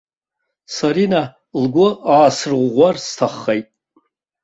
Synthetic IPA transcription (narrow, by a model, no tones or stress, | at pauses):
saɾina | lɡʷʊaːsɨrʁʷʁʷarstʰaχːejtʼ